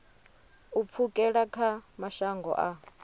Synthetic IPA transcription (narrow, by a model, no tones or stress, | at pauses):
up̪fʰukʼɛɺakʰamaʃaŋɡɔ̰ʔa